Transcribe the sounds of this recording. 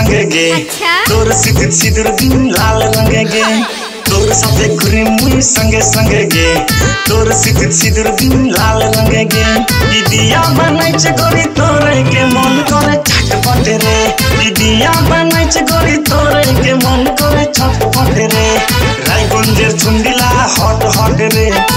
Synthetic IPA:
ŋɡeɡe | t̪oɾsit̪it̪sid̪uɾb̪inlalɾɔŋɡeɡe | t̪oɾsɔeɡuɾimujsəŋɡesəŋɡeɡe | t̪oɾsit̪isid̪uɾb̪inlalɾɔŋɡeɡe | id̪ijamanajt͡ʃeɡɔɾit̪oɾekemɔnkɔɾet͡ʃʰaʈpɔʈeɾe | id̪ijamanajt͡ʃeɡɔɾit̪oɾekemɔnkɔɾet͡ʃʰɔt̪pɔʈeɾe | ɾajɡund͡ʒeɾt͡ʃʰuɳɖilahɔʈɦɔʈeɾe

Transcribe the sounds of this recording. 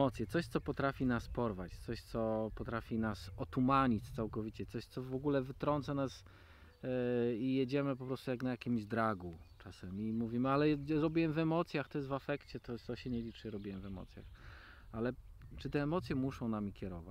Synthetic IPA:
ɔt̪sʲjɛt̪sɔɕt̪sɔpɔt̪ɾafʲinaspɔɾvat͡ɕt̪sɔɕt̪sɔpɔt̪ɾafʲinasɔt̪umaɲit̪sawkɔvʲit͡ɕɛt̪sɔɕt̪sɔvɔɡulɛvɘt̪ɾɔnt̪sanas | ijed͡ʑɛmɘpɔpɾɔst̪ujaknajakʲimʑd̪ɾaɡut͡ʂasɛmʲimuvʲimɘalɛɾɔbʲiwɛmvɛmɔt̪sʲjaxt̪ɔjɛst̪vafɛkt͡ɕɛt̪ɔɔɕɛɲɛlʲit͡ʂɛɾɔbʲiwɛmvɛmɔ̰t̪sʲja̰x | alɛt͡ʂɨt̪ɛːmɔt̪sʲjɛmuʂɔ̃w̃namʲikʲjɛɾɔva

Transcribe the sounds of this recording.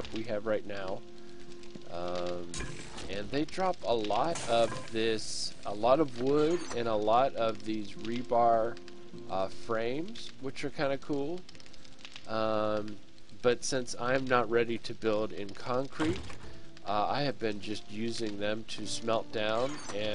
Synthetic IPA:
wiɨvɹaɪtⁿnaʊ | ʔʌ̃m | ɨ̃nðeɪdɹɑpəlɔɾʌvðɪsəlɔɾʌvwʊɾɨ̃ñəlɔɾʌvðizɹibɑɹ | ʔʌfɹẽɪ̃mz̥wɨt͡ʃə˞kʰãɪ̃ndɨkʰulˠ | ʔʌ̃m | b̥ʌtsɪ̃nsã̰ɪ̃mnət̚ɹɛɾiɾɨbɪlˠdɪ̃nkʰɑ̃ŋkʰɹ̥it̚ʔʌa̰ɪɨvbɨ̃nd͡ʒʌst̚jʉzɪ̃ŋðɨ̃mtʰɨsmɛlˠt̚d̥ãʊ̃n | ɨ̃

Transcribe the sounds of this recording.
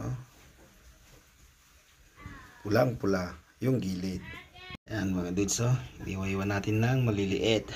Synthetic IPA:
ʔo | pʊlaŋpʊla | jʊŋɡiːlɪt̪̚janmɐŋad̪ud̪somḭwajwanaːt̪ɪnːaŋmɐlɪlɪʔɪt̪

